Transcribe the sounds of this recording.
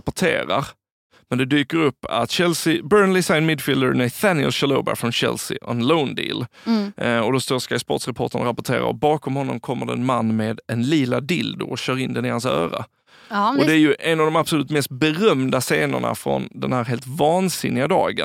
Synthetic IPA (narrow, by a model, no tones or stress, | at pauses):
pʊʈʰḛːɾaɾ | mɛnd̪ɛd̪yːkəɾɵpːa̰t̪ɕɛlsɪbœːɾnlɪsajnmɪd̪fɪld̪ənaɪθænɪə̰lɕaloːba̰fɾɔnɕɛ̰lsɪ̰ʔɔɛnloʊnd̪ḭːl | ɔd̪ɔst̪oːskajspɔt̪sɾɛpʰoʈ̪ənɾapʊʈʰeːɾa̰ɾɔ̰bɑːkɔmhɔnːɔmkʰɔmːəɖɛnmanːmeːd̪ɛnliːlad̪ɪld̪ʊ̰ɔɕœːɾɪnd̪ɛnɪhansœ̰ːɾa̰ | ɔd̪ɛæɾjɵʔɛnavd̪ɔmab̥sɔlʉ̟ːt̪mɛst̪̚bɛɾœmd̪aseːnʊ̰ɳa̰fɾɔ̰nd̪ɛnhæːɾɦeːlt̪vɑːnsɪnːɪɡad̪ɑ̰ːɡən